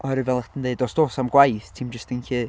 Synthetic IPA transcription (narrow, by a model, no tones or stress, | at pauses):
ɔɾɪvɛlˠatʰəndeɨdɔsd̥oːsamɡwajθtʰimd͡ʒəstɪnɬiː